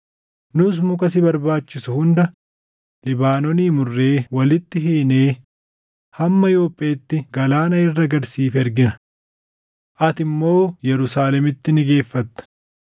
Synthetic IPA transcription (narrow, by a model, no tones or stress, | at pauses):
nʊs̬mʊkɐs̬ɪbɐɾbaːt͡ʃːɪsʊhʊnd̪ɐ | lɪbaːnɔniːmʊrːe̞ːwɐlɪt̪ːɪɦeːneː | hɐmːɐjo̞ːpʼːeːt̪ːɪɡɐlaːnɐɪrːɐɡɐɾsiːfɛɾɡɪnɐ | ʔɐt̪ɪmːo̞ːjɛɾʊsaːlɛmɪt̪ːɪnɪɡe̞ːfːɐt̪ːɐ̥